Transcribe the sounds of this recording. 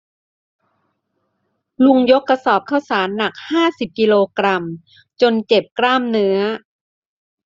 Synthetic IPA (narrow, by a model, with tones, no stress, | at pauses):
lu˧ŋjo˦˥kːa˧sɔː˨˩p̚kʰa˥˩wsaː˩˦nːa˨˩k̚haː˥˩si˨˩p̚ki˧loː˧kɾa˧m | t͡ɕo˧nt͡ɕe˨˩p̚kɾaː˥˩mnɯ˦˥ɐ